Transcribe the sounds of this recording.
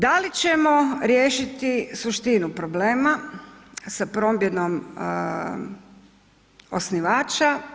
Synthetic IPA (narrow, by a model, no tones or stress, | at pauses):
d̪alit͡ʃe̞moɾje̞ːʃit̪isuʃt̪inupɾo̞ble̞ːma | sapɾo̞mbjed̪no̞m | o̞̰sniʋaːt͡ʃa